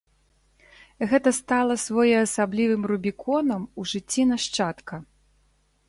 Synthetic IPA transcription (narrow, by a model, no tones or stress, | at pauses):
ɣɛt̪ɐst̪alˠɐsvɔjɛɐsablʲivɨmrubʲikʰɔnɐmuʐɨt͡sʲːinaʂt͡ʂat̪kɐ